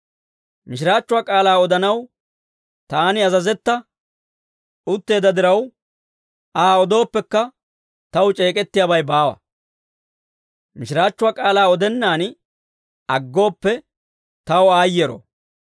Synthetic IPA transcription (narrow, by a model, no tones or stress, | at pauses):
mɪʃɪɾaːt͡ʃːʊwaːkʼaːlaːɔd̪ɐnɐw | t̪aːnɪɐzɐzɛt̪ːɐ | ʔʊt̪ːe̞ːd̪ɐd̪ɪɾɐw | aːɔd̪o̞ːpːɛkːɐ | t̪ɐwt͡ʃʼe̞ːkʼɛt̪ːɪjaːbɐjbaːwɐ̰ | mɪʃɾaːt͡ʃːʊwaːkʼaːlaːɔd̪ɛnːaːn | ɐɡːo̞ːpːɛ | t̪ɐwɔaːjːɛɾo̰